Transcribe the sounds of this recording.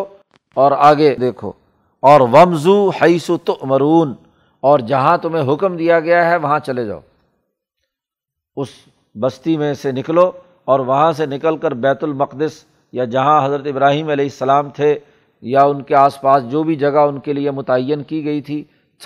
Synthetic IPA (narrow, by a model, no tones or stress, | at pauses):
ɔːɾaːɡed̪eːkʰo̰ː | ɔːɾʋɐmzuhɐɪsut̪ʊʔmɐɾuːn | ɔːɾd͡ʒɐɦãt̪ʊmɦẽɦʊkmd̪ijaɡɐjaɦɛʋɐɦãt͡ʃɐled͡ʒa̰ːo̰ː | ʊs | bɐst̪imẽsenɪklo | ɔːɾʋɐɦãsenɪkəlkəɾbɛːt̪ʊlmɐqd̪ɪs | jad͡ʒɐɦãɦɐzɾət̪ɪbɾaːɦiːmɐlɛːɪsːɐlaːmt̪ʰe | jaʊnkeaːspaːsd͡ʒoːbʱid͡ʒɐɡaʊnkeliemʊt̪aəjːənkiɡɐit̪ʰiː